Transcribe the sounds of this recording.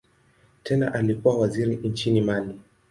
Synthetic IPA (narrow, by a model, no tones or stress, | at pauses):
tʰɛna̰ʔalikuwawaziɾint͡ʃinimali